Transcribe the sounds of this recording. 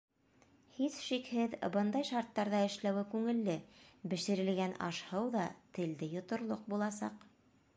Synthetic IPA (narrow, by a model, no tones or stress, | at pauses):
hisʃikhɘðbɤnd̪ɑjʃɑɾt̪ːɑɾðɑɘ̆ʃlæwɘkʉŋɘ̆lːɘbɘ̆ʃɘ̆ɾɘ̆lɡænɑ̰ʃhɤwðɑt̪ɘ̆ld̪ɘjŏt̪ŏɾlˠoq̚bulˠɑsɑ̰q